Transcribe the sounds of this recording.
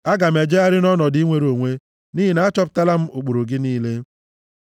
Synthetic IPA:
a˦ɡa˨m̩˨e˨d͡ʒe˦a˦ɾɪ˦nɔ˦nɔ˨di˦ŋʷe˦ɾo˨ŋʷe˦ | ni˦i˨na˨˦a˦t͡ʃɔ˦p̬ʊ̥˦ta˦la˦m̩˦o˨k͡po˨ɾo˨ɡɪ˦niː˦le˦

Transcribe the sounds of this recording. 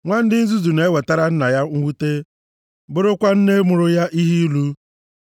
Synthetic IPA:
ŋʷa˦n̩˦dɪ˦n̩˦zu˦zu˨ne˨e˦we˨ta˦ɾa˦n̩˦na˨ja˦ŋ̩˦wu˦te˦ | bʊ˦ɾʊ˦kʷa˦n̩˦ne˦mʊ˨ɾʊ˦ja˦ʔi˦ɦi˦lu˦

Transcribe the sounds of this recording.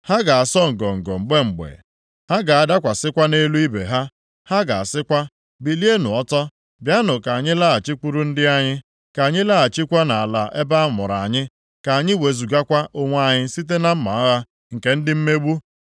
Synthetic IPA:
ha˦ɡa˨a˨sɔ˦ŋ̩˨ɡɔ˨ŋ̩˨ɡɔ̰˨ŋ͡m̩˨ɡ͡be˦ŋ͡m̩˨ɡ͡bḛ˨ | ha˦ɡa˨a˨da˦kʷa˨sɪ˦kʷa˦ne˦lu˦i˦bḛ˨ɦa˦ | ha˦ɡa˨a˨sɪ˦kʷa˦ | bi˨li˦e˦nʊ˨ɔ˦tɔ˦ | bja˦nʊ˨ka˨a˨ɲɪ˦la˦a˨t͡ʃi˦k͡pu˦ɾu˦n̩˦dɪ˦a˦ɲɪ˦ | ka˨a˨ɲɪ˦la˦a˨t͡ʃi˦kʷa˦na˨a˨la˨ʔe˦ba˦a˦mʊ̰˨ɾa˨a˨ɲɪ˦ | ka˨a˨ɲɪ˦we˨zu˨ɡa˦kʷa˦ʔo˦ŋʷ˦a˦ɲɪ˦si˦t̬e˦na˦m̩˦ma̰˨ɔ˦ɣa˦ | ŋ̩˨ke˨˦n̩˦dɪ˦m̩˦me˦ɡ͡bu˦

